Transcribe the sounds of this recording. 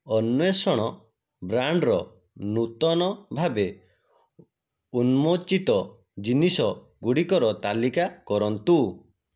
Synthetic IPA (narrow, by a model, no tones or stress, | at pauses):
ɔnːesɔɽ̃ɔ | bɾaɳɖɾɔ | nut̪ɔnɔbʱabe | unmot͡ʃit̪ɔ | d͡ʒinisɔ | ɡuɽikɔɾɔt̪alikakɔɾɔnt̪u